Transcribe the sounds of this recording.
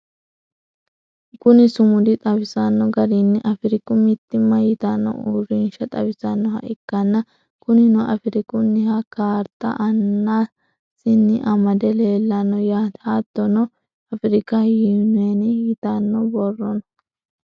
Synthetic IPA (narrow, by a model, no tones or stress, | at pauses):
kʊnɪsʊmʊd̪ɪt̪ʼɐbɪsɐnːɔɡɐɾɪnːɪʔɐfɪɾɪkʊmɪt̪ːɪmːɐjɪt̪ɐnːɔ̰urɪnʃɐt̪ʼɐbɪsɐnːɔhɐ̰ʔɪkːɐnːɐ | kʊnɪnɔʔɐfɪɾɪkʊnːɪhɐkaːɾt̪ːɐ̰ʔɐnːa | sɪnːɪʔɐmɐd̪ɛleːlːɐnːɔjaːt̪hat̪ːɔnɔ | ɐfɪɾɪkɐjiːnʊɛnɪjɪt̪ɐnːɔbɔrːɔnɐ